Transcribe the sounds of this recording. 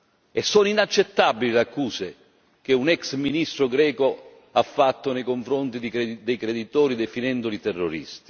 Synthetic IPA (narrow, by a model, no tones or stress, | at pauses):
ɛsːɔninat͡ʃːɛt̪ːabːililakːuːse | k̟eunɛksminist̪ɾʊɡɾɛːko | afːat̪ːonɛjkoɱfɾɔnt̪id̪ied̪ɛjkɾed̪it̪ɔːɾid̪ɛfinɛnd̪ʊlit̪ɛrːoɾḭst̪i